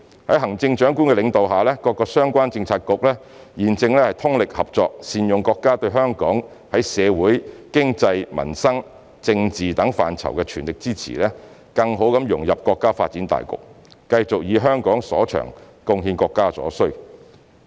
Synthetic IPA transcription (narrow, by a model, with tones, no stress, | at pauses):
hɐ˨˥jɦɐ˨˩ŋt͡sɪ˧ŋt͡ʃœː˨˥ŋkuː˥nkɛ˧lɪ˨˧ŋt̪o˨wɦaː˨˩lɛː˥kɔː˧kːɔː˧sœː˥ŋkʷaː˥nt͡sɪ˧ŋt͡sʰaː˧t̚kʊ˨k̚lɛː˥ | jiː˨nt͡sɪ˧ŋlɛː˥hɐ˨jt̪ʰʊ˥ŋlɪ˨k̚hɐ˨p̚t͡ʃɔː˧k̚siː˨njʊ˨ŋkɔː˧kːaː˥t̪ɵ˧ɥɦœː˥ŋkɔː˨˥ŋ | hɐ˨˥jsɛː˨˧wuː˨˥jkɪ˥ŋt͡sɐ˧jmɐ̰˨˩nsɐ˥ŋ | t͡sɪ˧ŋt͡siː˨t̪ɐ˨˥ŋfa̰ː˨nt͡sʰɐ̰˨˩wkɛː˧t͡ʃʰyː˨˩nlɪ˨k̚t͡siː˥t͡sʰḭː˨˩lɛː˥ | kɐ˧ŋɦo˨˥wkɐ˨˥mjʊ̰˨˩ŋjɐ˨p̚kɔː˧kːaː˥faː˧t̚t͡siː˨˥nt̪a̰ː˨jkʊ̰˨k̚ː | ɐ˧jt͡sʊ˨k̚jiː˨˧ɦœː˥ŋkɔː˨˥ŋsɔ̰ː˨˥t͡ʃʰœ̰ː˨˩ŋ | kʊ˧ŋɦiː˧nkɔː˧kːaː˥sɔ̰ː˨˥sɵ˥ɥ